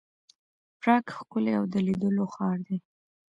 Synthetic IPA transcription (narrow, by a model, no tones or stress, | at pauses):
pɾɑkxkʊleawd̪əlid̪əloxɑɾd̪e